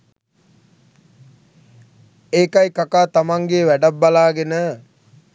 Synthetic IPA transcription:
eːkajkakaːt̪amaŋɡeʋæɖabːalaːɡenə

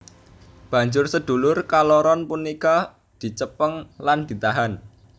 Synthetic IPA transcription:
b̥ä̤ɲd͡ʒʊrsəd̪̥ṳlʊrkalɔɾɔnpunika | d̪̥i̤t͡ʃəpəŋland̪̥i̤t̪aɦan

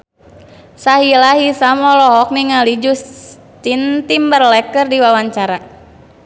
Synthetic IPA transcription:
saɦilaɦisamɔlɔɦɔk̚niŋalid͡ʒus | t̪int̪imbərlɛkərdiwawaɲt͡ʃaɾa

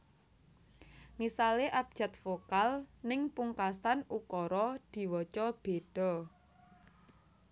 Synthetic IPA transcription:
ŋisaleʔab̚d̥ʒ̥ä̤t̪̚fokalnɪŋpuŋkasanʔukɔɾɔd̪̥i̤wɔt͡ʃɔb̥e̤ɖ̥ɔ̤

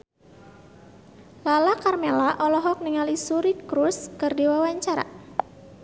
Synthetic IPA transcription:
lalakarmelaʔɔlɔɦɔk̚niŋalisuɾikɾuskɨrdiwawaɲt͡ʃaɾa̰

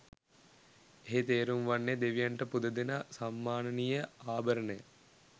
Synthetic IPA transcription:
eɦet̪eːɾumʋanːed̪eʋijaɳʈəpud̪əd̪enasamːaːnɐnijəaːbəɾənəjə

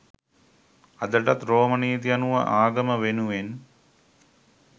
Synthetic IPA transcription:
ɐd̪əʈat̪ɾoːməniːt̪̬ijanuʋə̰ʔaːɡəməʋenuʋen

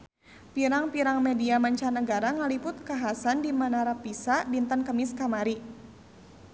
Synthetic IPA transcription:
piɾaŋpiɾaŋmediamaɲt͡ʃanəɡaɾaŋalipʊt̪̚kaɦasandimanaɾapisabint̪ankəmiskamaɾi

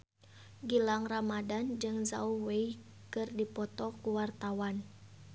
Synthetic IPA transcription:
ɡilaŋramadand͡ʒɨŋza̰uhwei | kɨrdipɔt̪ɔkuwart̪awan

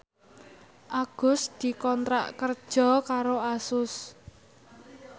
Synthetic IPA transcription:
ʔaɡ̥ʊ̤sd̪̥i̤kɔnt̪ɾa̰ʔkər̥ʒ̥ɔ̤kaɾoasʊs

